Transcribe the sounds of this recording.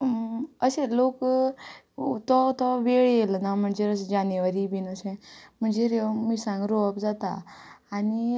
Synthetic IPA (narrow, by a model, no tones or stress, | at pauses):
əselok | t̪ɔt̪ɔʋeɭjelnam̤əɳd͡zeɾəsd͡ʑaneʋəɾiːbinəsẽm̤əɳd͡zeɾeʋmisãŋɡɾoəpd͡zat̪a̰ː | ni